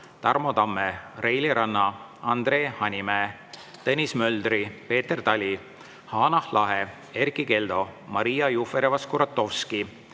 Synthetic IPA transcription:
t̪ɑrmo̞t̪ɑmːerejliɾɑnːɑ | ɑnd̪̥re̞ːhɑnʲime | t̪enʲismø̞ld̪ripe̞ːt̪ːert̪ɑlʲi | hɑːnɑhlɑɦe | erkike̞ld̪̥o̞mɑɾijɑjufeɾevɑskuɾɑt̪ːo̞fski

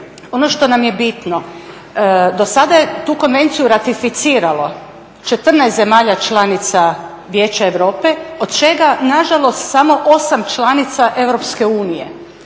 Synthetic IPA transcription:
o̞no̞ʃt̪o̞namje̞bit̪no̞ | d̪o̞sad̪aje̞t̪uːko̞nʋe̞nt̪sijuɾat̪ifit̪siːɾalˠo̞ | t͡ʃe̞t̪r̩najst̪ze̞maːʎat͡ʃlˠanit̪sa | ʋjeːt͡ɕaeʋɾo̞ːpe̞od̪̥t͡ʃe̞ɡanaʒalˠo̞st̪samo̞ʔo̞samt͡ʃlˠanit̪saʔe̞ʋɾopske̞uːnijḛ

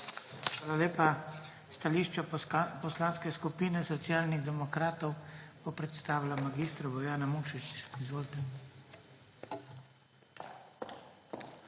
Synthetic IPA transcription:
xʋaːlaleːpa | st̪aliːʃt͡ʃɔpɔslaːnskɛskupiːnɛsɔt̪siaːlniɣd̪ɛmɔkɾaːt̪ɔwb̥ɔpɾɛt̪st̪aːʋlamaɡist̪ɾabɔjaːnamuːʃit͡ʃizʋoːlt̪ɛ

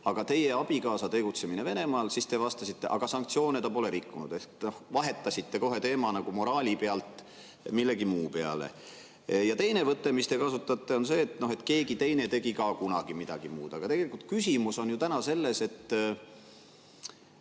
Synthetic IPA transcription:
ɑɡ̥ɑt̪e̞je̞ɑb̥ikɑːsɑt̪e̞ɡ̥ut̪se̞mine̞ve̞ne̞mɑːlsist̪e̞vɑst̪ɑsit̪ːe̞ʔɑɡ̥ɑsɑŋk̚t̪sio̞ːnet̪ɑpo̞le̞ɾikːunud̪ehkno̞hvɑɦe̞t̪ːˑɑsit̪ːe̞koɦe̞t̪e̞ːmɑnɑɡ̥umo̞ɾɑːlʲipeɑlt̪ˑ | milːe̞ɡimuːpe̞ɑ̰lḛ | jɑt̪e̞jne̞vɤt̪ːemist̪e̞kɑsut̪ːˑɑt̪ːe̞o̞nse̞ːt̪no̞ɦe̞t̪ke̞ːɡit̪e̞jnet̪e̞ɡikɑːkunɑɡ̥imid̪̥ɑɡ̥imuːd̪̥ɑɡ̥ɑt̪e̞ɡ̥e̞likult̪̚kysʲimuso̞njut̪ænɑse̞lːe̞se̞t̪ː

